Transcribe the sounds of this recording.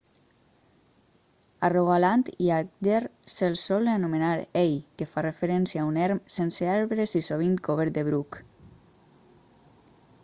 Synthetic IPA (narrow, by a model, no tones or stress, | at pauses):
aroɣalant̪iak̚d̪erselsɔleanomenaɾejkefarefeɾɛnsjaunɛɾmsenseaɾβɾesisoβ̞iŋkʰoβeɾd̪eβɾuk